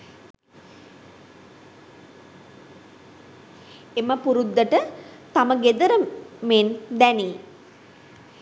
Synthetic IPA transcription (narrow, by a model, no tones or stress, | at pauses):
eməpuɾud̪ːəʈət̪aməɡed̪əɾəmend̪ɛni